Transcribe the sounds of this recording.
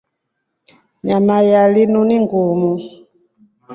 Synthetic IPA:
ɲamajalinuniŋɡumu

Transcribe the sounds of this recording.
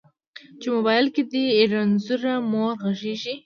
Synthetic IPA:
t͡ʃemobɑjɪlked̪iːɾanzuɾamoɾɣaʒeʒi

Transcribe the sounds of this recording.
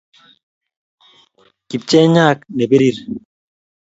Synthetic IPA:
kip̚t͡ʃeɲaːknebeɾiɾ

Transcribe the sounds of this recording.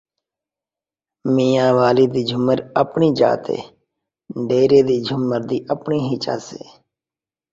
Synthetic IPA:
miːjãːʋaːliːd̪iːd͡ʒʱʊməɾəpɳiːd͡ʒa̰ːt̪ḛː | ɖeːɾeːd̪iːd͡ʒʱʊmːəɾd̪iːʔəpɳiːɦɪt͡ʃa̰ːsḛː

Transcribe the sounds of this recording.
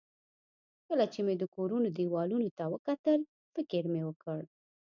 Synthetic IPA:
kəlat͡ʃemed̪əkoɾunod̪iwɑlunot̪awəkat̪əl | fɪkɪɾmewəkəɽ

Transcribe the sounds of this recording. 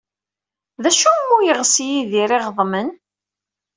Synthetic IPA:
ðæʃumːujəʁsijiðiɾiʁðˤmən

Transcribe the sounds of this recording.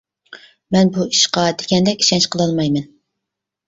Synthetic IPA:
mɛnbuiʃqɑd̪ɪɡʲɛnd̪ɛkʲi̥ʃɛnt͡ʃqəlˠɑlˠmɑjmɛn

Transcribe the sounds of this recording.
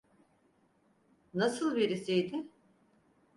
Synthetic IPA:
nasɯlˠveɾisijd̪ɪ

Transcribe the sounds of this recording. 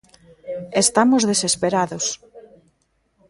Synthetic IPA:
est̪amozðesespeɾaðos

